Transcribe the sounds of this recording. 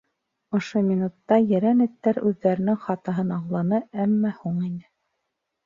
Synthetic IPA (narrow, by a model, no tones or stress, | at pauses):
ŏʃomʲinut̪ːɑjɘ̆ɾænɘ̆t̪ːæɾʉðːæɾɘ̆nɘŋχɑt̪ɤ̆ɦɤnɑɴlˠɑnɤæmːɑhuɴinɘ